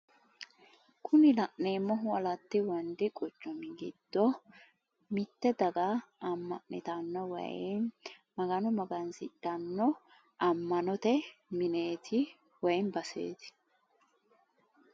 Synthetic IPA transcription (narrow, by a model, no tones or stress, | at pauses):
kʰʊnɪlɐʔnːeːmːɔɦʊɐlɐt̪ːɪwɔnd̪ɪkʼɔt͡ʃːɔmɪɡɪd̪̥ːɔ | mɪt̪ːɛd̪ɐɡaɐmːɐ̰ʔnɪ̰t̪ɐnːɔwɐ̰j̰ | mɐɡɐnɔmɐɡɐnsɪt̪ːɐnːɔ | ʔɐmːɐnɔt̪ɛmɪne̞ːt̪ʰɪ | wɐjnbɐsḛːt̪ɪ̥